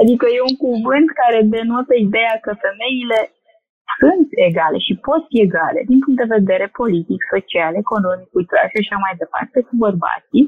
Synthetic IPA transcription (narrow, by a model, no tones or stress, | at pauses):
ad̪ikəje̞uŋkuvɨnt̪kaɾe̞d̪enwot̪əid̪e̞jakəfe̞me̞ile̞ | sunt̪e̞ɡale̞ʃipo̞t̪fie̞ɡale̞̰d̪inpuŋk̪̚d̪eve̞d̪e̞ɾe̞po̞lit̪ikso̞t͡ʃiale̞ko̞no̞mikujt̪ɾa̰ʃaʃamajd̪e̞pa̰rt̪e̞kubərba̰t̪si